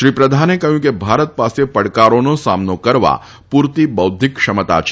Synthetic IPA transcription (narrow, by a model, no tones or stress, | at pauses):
ʃɾiːpɾɐd̪ʱaːnekɐɦjũkebʱaːɾət̪̚paːsepɐɽkaːɾõnõsaːmnokɐɾʋa̰ː | puːɾt̪ibɐʊd̪ʱɪkʃɐmət̪a̰ːt͡ʃʰ